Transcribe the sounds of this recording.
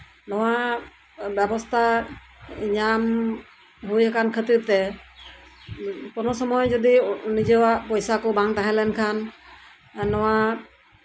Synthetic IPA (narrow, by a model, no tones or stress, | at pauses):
nɔwa | bɛbɔst̪ʰa | ɲam | ɦujɛkankʰət̪iɾt̪ɛ | kɔnɔsɔmɔjd͡ʒɔd̪inid͡ʒɔwaʔpɔjsakɔbaŋt̪aɦɛ̃lɛnkʰanː | ɔwa